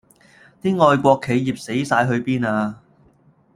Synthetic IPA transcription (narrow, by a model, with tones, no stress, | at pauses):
t̪iː˥ŋɔː˨jkʷɔː˧kʰːe˨˧jji˨p̚se˨˥jsaː˧jɦɵ˧ɥpiː˥naː˧